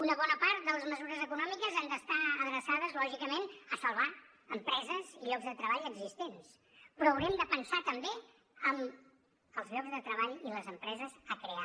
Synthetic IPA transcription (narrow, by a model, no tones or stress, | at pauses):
unəβɔnəpaɾt̪̚d̪ələzməzuɾəzəkunɔmikəzand̪əst̪aəðɾəsaðəzlɔʒikəmenəsəlˠβa | əmpɾɛzəziʎɔɡzðət̪ɾəβaʎəɡzist̪ens | pɾɔəwɾiɛmd̪əpənsat̪əmbe | əm | əlˠzʎɔɡzðət̪ɾəβaʎiləzəmpɾɛzəzəkɾea